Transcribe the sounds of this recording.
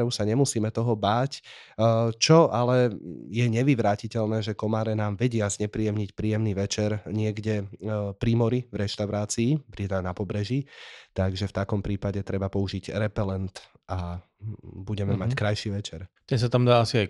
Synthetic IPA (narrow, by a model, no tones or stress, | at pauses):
ɔʊsaɲɛmusiːmɛt̪ɔɦɔbaːc | t͡ʃɔʔalɛjɛɲɛʋiʋɾaːcicɛʎnɛːʒɛkɔmaːɾɛnaːmʋɛɟɪazɲɛpɾijɛmɲicpɾiːjɛmniʋɛt͡ʃɛɾɲɪɛɡɟɛpɾimɔɾivɾɛʃt̪aʊɾaːt͡siːpɾit̪anapɔbɾɛʒit̪aɡʒɛft̪akɔmpɾiːpaɟɛt̪ɾɛbapɔuʒiɟɾɛpɛlɛnt̪ | ʔa | buɟɛmɛmackɾajʃiʋɛt͡ʃɛɾt̪ɛnsat̪amd̪aːasiaj